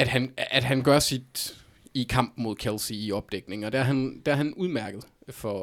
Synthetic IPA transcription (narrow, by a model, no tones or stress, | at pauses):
æd̥ɦænæd̥ɦænɡ̥ɶɐsid̥ | ikʰɑ̈m̰b̥mo̝ð̞̰ˠkʰelsiiɒ̽b̥̚d̥eɡ̥ne̝ŋɒ̽d̥ææɐɦænd̥eæɐhænuð̞ˠmæɐɡ̥ð̞̩ˠfɒ